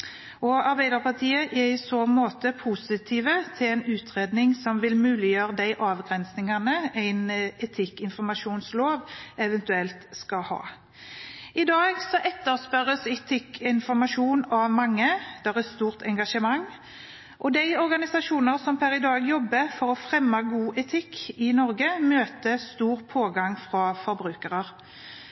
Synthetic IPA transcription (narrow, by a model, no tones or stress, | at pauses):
ɔɑɾbæɪd̪əʁpʰɑʁt̪ʰiːəʔæʁɪsoːmoːt̪əpʰusɪt̪ʰiːʋət̪ʰɪlæɪnʉːt̪ʰʁeːd̪nɪŋsɔmʋɪlmʉːlɪjøːʁəd̪æɪʔɑːʋɡʁɛnsnɪŋɑnəʔæɪnɛt̪ʰɪkːɪnfɔɾmɑʂuːnsloːʋɛʋɛnt̪ʉɛlt̪skɑhɑ̰ː | ɪd̪ɑːɡsɔʔɛt̪ːəʁspœʁəsɛt̪ʰɪkɪnfɔʁmɑʂuːnɑʋmɑŋːəd̪̥æʁɛst̪uːʁt̪ʰɛŋɡɑʂəmɑŋː | ʔɔd̪æɪɔɾɡɑnɪsɑʃuːnəʁsɔmpʰæɾɪd̪ɑːɡjɔbːəfɔʁɔfʁɛmːɑɡuːʔɛt̪ʰɪkʰːɪnɔɾɡəmøːt̪əst̪uːʁpʰoːɡɑŋfʁɑfɔɾbʁʉːkəʁəʁ